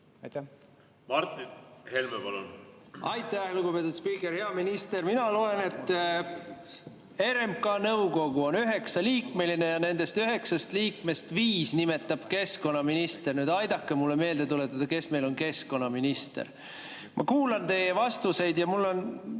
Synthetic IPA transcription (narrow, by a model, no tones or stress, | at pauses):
mɑrt̪ːˑinhelmepɑlonɑjt̪ːˑæhluɡupe̞t̪ːˑud̪spiːkːˑerhe̞ɑminist̪e̞ɾminɑlo̞ːene̞t̪ːˑ | e̞ɾempkɑnɤwɡo̞ɡ̥uo̞nyɦe̞ksɑliːkme̞line̞jɑne̞nd̪̥e̞st̪yɦe̞ksɑst̪liːkme̞st̪viːsnime̞t̪ːˑɑb̥ke̞sko̞nːɑminist̪ernyːd̪ɑjd̪̥ɑkːˑemulːeme̞ːld̪e̞t̪ulet̪ːˑɑd̪̥ɑke̞sme̞jlo̞nke̞sko̞nːɑminist̪ḛr | mʔɑ̰kuːlɑnt̪e̞jevɑst̪use̞jd̪jɑmulːo̞n